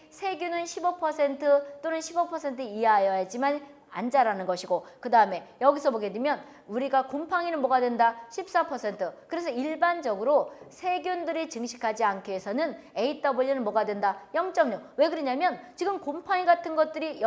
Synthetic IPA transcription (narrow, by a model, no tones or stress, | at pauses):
sʰe̞ɡjunɯnɕʰibʌpʰʌsʰe̞ntʰɯt͈onɯnɕʰibʌpʰʌsʰe̞ntʰɯieɦajʌjad͡ʑiman | a̰nd͡ʑaɾanɯnɡʌɕʰiɡokɯdaɯme̞jʌɡisʰʌboɡe̞dwemjʌn | uɾiɡakompʰaŋinɯnmʌɡadwe̞ndaɕʰip̚s͈apʰʌsʰe̞ntʰɯkɯɾe̞s̬ʰʌiɭband͡ʑʌɡɯɾosʰe̞ɡjundɯɾit͡ɕɯŋɕʰi̥kʰad͡ʑiankʰeesʰʌnɯn | e̞it͈ʌboʎːinɯnmʌɡadwendajʌŋt͡ɕ͈ʌŋɲowe̞kɯɾʌɲamjʌnt͡ɕiɡɯmkompʰaŋiɡatʰɯnɡʌt̚t͈ɯɾij